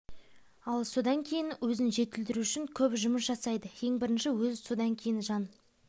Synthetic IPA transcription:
ɑlˠso̞d̪ɑŋkʲʰe̞jɪnwɵzɪnʒe̞t̪ɪld̪ɪɾuʏʃɪŋkʲʰɵpʒʊməsʒɑsɑjd̪əje̞ŋbɪɾɪnʃɪwɵzso̞d̪ɑŋkʲʰe̞jɪnʒɑn

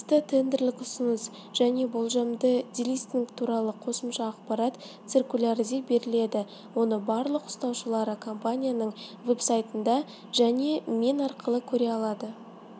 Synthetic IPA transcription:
t̪ət̪ʰe̞nd̪eɾlɪkʊsənəs | ʒ̥æne̞bo̞lˠʒɑmd̪əd̪ʲilʲijst̪iŋkt̪ʰuɾɑlˠəqʰo̞səmʃɑːqpɑɾɑt̪ | t̪sirkulʲaɾizibe̞ɾɪle̞d̪ɪ | wo̞nəbɑɾlˠəqʊ̥st̪ɑwʃəlˠɑɾəkʰo̞mpanʲijanəɴve̞psajt̪ənd̪ɑ | ʒæne̞me̞nɑɾqʰəlˠəkʲʰɵɾe̞ɑlˠɑd̪ə

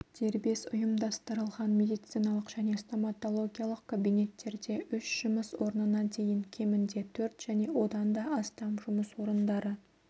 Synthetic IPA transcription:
d̪̥ʰe̞ɾbe̞sʊ̰jəmd̪ɑst̪əɾəlˠʁɑnmʲe̞d̪ijt̪sijnɑlˠəqʒ̥æne̞st̪o̞mat̪o̞lˠo̞ɡʲijalˠəqkʰabijne̞t̪ːe̞ɾd̪e̞ʔʏʃʒ̥ʊməswo̞ɾnənɑt̪ʰe̞jɪŋkʲʰe̞mɪnd̪e̞t̪ʰɵɾt̪ʒ̥æne̞wo̞d̪ɑnd̪ɑʔɑst̪ɑmʒʊməswo̞ɾənd̪ɑɾə

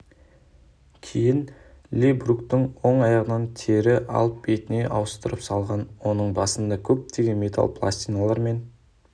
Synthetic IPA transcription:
kʲʰejɪn | lʲebɾukt̪ɪɴwo̞ɴɑjɑʁənɑnt̪ʰeɾɪʔɑ̰lˠəp̚be̞t̪ɪne̞ʔɑwəst̪əɾəpsɑlˠʁɑnwo̞nəɴbɑsənd̪ɑkʲʰɵp̚t̪e̞ɡʲe̞nme̞t̪ʰa̰lˠpʰlˠa̰st̪ijnalˠɑɾme̞n

